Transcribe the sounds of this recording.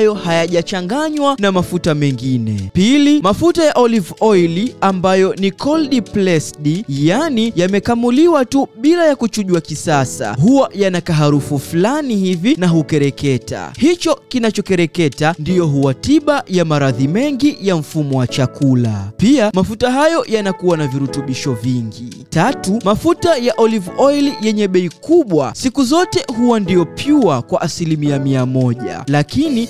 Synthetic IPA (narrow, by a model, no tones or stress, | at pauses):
jɔhajaʄat͡ʃaŋɡaɲwanamafutamɛŋɡinɛ̰pilimafutajaʔɔlivɔiliambajɔnikʰɔlɗiplɛsɗijanijamɛkamuliwatuɓilajakut͡ʃuʄuwakisasa̰huwajanakaɦaɾufuflanihivinaɦukɛɾɛkɛta̰hit͡ʃɔkinat͡ʃɔkɛɾɛkɛtandijɔɦuwatiɓajamaɾaðimɛŋɡijaɱ̩fumɔwat͡ʃakʰula̰piamafutaɦajɔjanakuwanaviɾutuɓiʃɔviŋɡḭ | tatumafutajaʔɔlivɔjljɛɲɛɓɛikuɓwasikuzɔtɛɦuwandiɔpʰjuakwaʔasilimiamiamɔʄa̰lakini